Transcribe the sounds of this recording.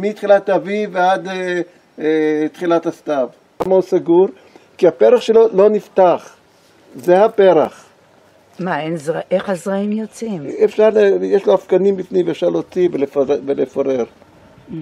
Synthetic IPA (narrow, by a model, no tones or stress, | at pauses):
mitχilat̪avivead̪e | et̪χilat̪hast̪av | amousaɡuɾ | kiapeʁaχʃelolo̞nift̪aχ | zehapeɾaχ | maenzaʔeχhazʁaimjot͡simefʃaʁlejeʃloafkanimbifnimveːfʃaʁlot͡sivelefvelefoʁeʁ